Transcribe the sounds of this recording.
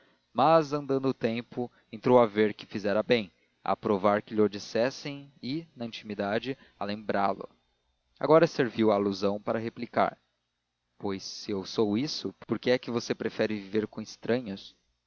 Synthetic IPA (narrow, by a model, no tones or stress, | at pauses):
mɐzɐ̃nd̪ɐ̃nd̪ʊːt̪ẽmpʊ | ẽnt̪ɾowɐveɾkɪ̥fizɛɾɐbẽj̃ | ɐ̰pɾovaɾkɪʎod͡ʒisɛsẽj̃ɪnɐĩt͡ʃimid̪ad͡ʒɪ | ɐ̰lẽmbɾa̰lʊ̰ | a̰ɡɔɾɐseɾviwaːluzɐ̃w̃paɾɐɦeplika̰ɾ | pojsːɪewsowisʊpoɾkɪɛkɪvosepɾefɛɾɪviveɾkõɪst̪ɾɐ̃ɲʊs